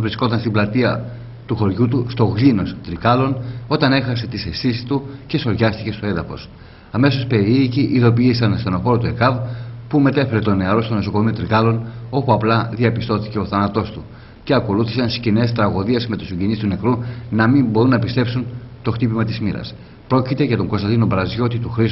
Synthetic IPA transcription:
vɾisko̞t̪ɐnst̪iblɐt̪iɐ̰ | t̪uxo̞ɾʝut̪ust̪o̞ɣlino̞st̪ɾikɐlo̞no̞t̪ɐne̞xɐse̞t̪isestisi̥st̪uce̞so̞ɾʝɐst̪ice̞st̪o̞e̞nðɐfo̞̰s | ɐme̞so̞spe̞ɾiːciʔiðo̞p̬iisɐnst̪eno̞fo̞ɾot̪ue̞kɐvpume̞t̪e̞fe̞ɾe̞t̪o̞ne̞ɐɾo̞st̪onoso̞ko̞mio̞t̪ɾikɐlo̞no̞puɐplɐðiɐpist̪o̞θi̥ce̞o̞θɐnɐt̪o̞st̪u | ce̞ɐko̞luθisɐnsiscinest̪ɾɐɣo̞ðiezme̞t̪osiɲɟenist̪une̞kɾunɐmimbo̞ɾunːɐpist̪e̞psunt̪o̞xt̪ipimɐt̪izmiɾɐ̰s | pɾo̞cit̪e̞ʝɐt̪o̞ŋɡo̞st̪ɐnd̪ino̞bɾɐzʝo̞t̪it̪uxɾis

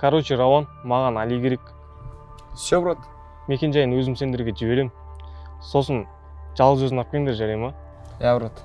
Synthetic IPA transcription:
kʰaɾot͡ʃirawanmɑʁɑnɑlijkʲʰe̞ɾek | sobɾot̪ | me̞kʲe̞nʒɑjənwɵzɪmse̞nd̪ɪɾɡʲeʒɪbe̞ɾe̞mɪ | so̞sən | ʒɑlˠəʒøzɪnɑp̚kʲeɪŋd̪eɾʒɑɾɑjmɑ | jabɾot̪

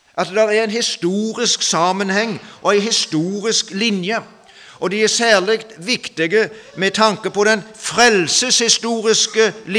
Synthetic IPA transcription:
ʔɑt̪d̪ɛɾæɾæɪnhɪst̪uːɾɪsksɑːmənhɛŋːʔɔæɪɦɪst̪uːɾɪsklɪnjə | ʔɔd̪iæsæːlɪkt̪ʋɪkt̪ɪɡəmɛt̪ʰɑŋkəpɔd̪ɛnfɾɛlsəshɪst̪uːɾɪskəl

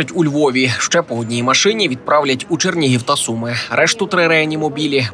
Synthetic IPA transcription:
ɐtʲulʲʋɔʋʲiʃt͡ʃɛpɔɦɔdʲnʲijimɐʃɪnʲiʋʲid̪̚pɾɑwlʲɐtʲut͡ʃernʲiɦiwt̪ɐsumɪɾɛʃt̪ʊt̪ɾɪɾɛɐnʲimɔbʲilʲi

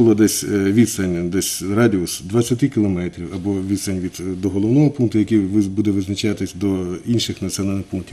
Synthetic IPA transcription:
ʊlˠɔd̪ɛsʲʋʲid̪st̪ɐnʲd̪ɛsʲrɑdʲiʊsd̪ʋɐt͡sʲːɐt̪ɪkʲɪlˠɔmɛt̪ɾʲiwɐbɔʋʲid̪sɐnʲʋʲid̪d̪ɔɦɔlˠɔwnɔɦɔpunkt̪ʊjɐkiʋbud̪ɛʋɪznɐt͡ʃɑt̪ɪsʲd̪ɔinʃɪxnɐt͡sʲɔnɑlʲnɪxpunk̚tʲi

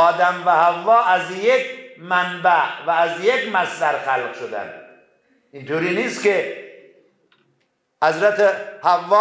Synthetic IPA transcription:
ɒːd̪æmvæhævːɒːʔæzjekmænbæʔvæːzjekmæsd̪æɾxælqʃod̪æ̰nd̪ | int̪ʰoːɾiːniːst̪ke | hæzɾæt̪ehævːɒː

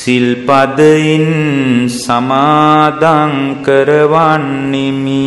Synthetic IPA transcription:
silpɐd̪ɐinsɐmaːd̪ʱaːnkɐɾɐʋaːɳːimi

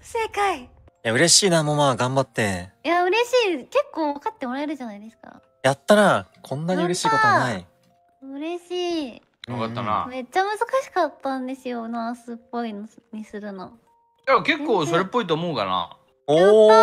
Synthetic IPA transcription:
sekai | jaɯ̟ɾe̞ɕiːnamomaːɡãmbat̪ːe̞jaɯ̟ɾe̞ɕiːke̞kːo̞ːβakat̪ːe̞moɾaeɾɯ̟ʑanaid̪e̞sɨ̥ka̰ | jat̪ːaɾakʰõ̞nːaɲiɯɾe̞ɕiːkotonai | ɯ̟ɾe̞ɕiː | okat̪ːana̰me̞t͡ɕːamɯ̟zɨkaɕi̥kat̪ːãnd̪e̞sɨjo̞nasɨpːo̞inɲ̟isɨɾɯ̟no | d͡ʑaake̞kːoːso̞ɾepːo̞it̪oːmo̞ɯkana̰ | oː

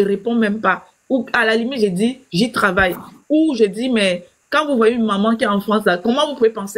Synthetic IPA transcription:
eʁepɔ̃mɛ̃mpa | ualalimit̪ʒediʒit̪χavajuʒədimɛ | kɑ̃vuvwajeynmamɑ̃k̬iɛɑ̃fχɑ̃slakɔmɑ̃vupuvepɑ̃se

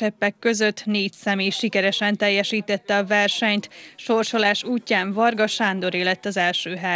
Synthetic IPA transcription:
ɛpːɛkːøzø̞t̪ːneːcsɛmeːjʃikɛɾɛʃɛnt̪ɛjːɛʃiːt̪ɛt̪ːɛɒvɛrʃɛɲt̪ʃo̞rʃo̞laːʃuːcːaːɱvɒrɡɒʃaːnd̪o̞ɾeːlɛt̪ːɒzɛlʃøːɦɛ

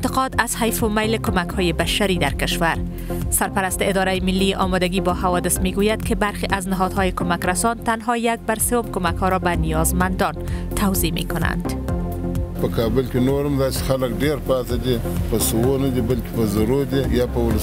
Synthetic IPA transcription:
ɪnt̪ɪqɔd̪az̥hajfʊmajlɪkomakhɔjebaʃaɾid̪aɾkɪʃwaɾ | saɾpaɾast̪eɪd̪ɒɾajemɪlːiʔɒmɔd̪aɡibɒhawɒd̪ɪsmeɡujad̪kebaɾxeʔaznaɦɔd̪hɔjekomakɾasɔnd̪t̪anɦɒjak̚baɾsewomkomakhɔɾɔbanijɒzmand̪ɒnt̪ʰawzimḛkʊna̰nd̪ | pəkʰɑːbəlkʲinoɾəmd̪aːse̥xaləkɖeɾpɑːt̪ad̪ʲi | pəsuwonad̪ibalkʲe̥pəzaɾod̪ijɑpəwʊl

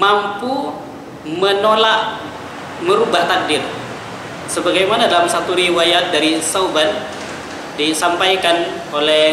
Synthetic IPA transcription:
mampu | mənolaʔ | məɾubaht̪adɪr | səbaɡajmanadalamsat̪uɾiwajat̪̚daɾisawban | disampajkan | olɛ

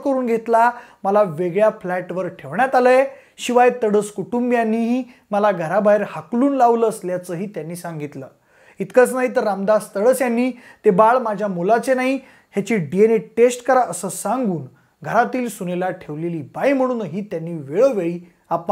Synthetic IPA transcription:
kəɾuːnɡʱet̪laməlaʋeɡɭjaflæʈʋəɾʈʰeʋɳjat̪aləe | ɕiʋajt̪əɽəːskuʈumbjanːi | məlaɡʱəɾabaɦiɾhakluːnlaʋləːsljat͡səɦiːt̪janːiːsãŋɡit̪lə̰ː | it̪kət͡snaɦit̪əɾːamd̪ast̪əɽəːsjanːiːt̪ebaɭmad͡ʑʱjamolat͡senaɦi | hjat͡ɕiːɖieneʈesʈkəɾaʔəsəːsaŋɡuːn | ɡʱəɾat̪iːlsunelaʈʰeʋleliːbajm̤əɽ̃uːnɦiːt̪janːiːʋeɭəʋeɭiː | apə

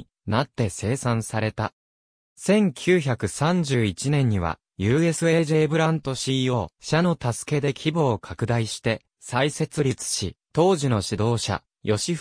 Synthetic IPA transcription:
nat̪ːe̞se̞ːsãsaɾe̞t̪a | sẽ̞ŋkʲʰɨːçʲakɯ̟sãɲ̟d͡ʑɨːit͡ɕinẽ̞ɲ̟ːiβa̰ | jɯ̟ːe̞sɨe̞ːʑe̞ːbɯ̟ɾãnt̪o̞ɕiːo̞ːɕano̞t̪asɨ̥ke̞d̪e̞kʲʰibo̞ːkʰakɯ̟d̪aiɕi̥t̪e̞ | saise̞t͡sɨɾʲit͡sɨ̥ɕḭt̪o̞ːʑino̞ɕid̪o̞ːɕa̰ | jʔo̞ɕi

